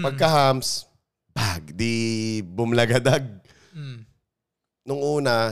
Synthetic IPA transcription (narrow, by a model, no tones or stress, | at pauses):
pɐɡ̚kɐhams | baɡd̪ibʊmlɐɡɐd̪aɡ̚ | nʊŋʔuːnɐ